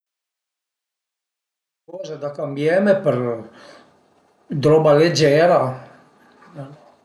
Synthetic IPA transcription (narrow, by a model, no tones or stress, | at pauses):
kɔzad̪akambjɛmepəɾ | d̪ɾɔbaled͡ʒɛɾa